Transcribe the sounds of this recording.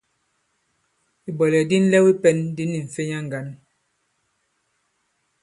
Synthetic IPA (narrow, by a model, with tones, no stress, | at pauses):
i˨bɔ˨lɛ˨di˦n̩˦lɛ˦wi˦pɛ˦ndi˦nːi˨ɱ̩˨fe˦ɲa˦ŋ˨ɡa˨˦n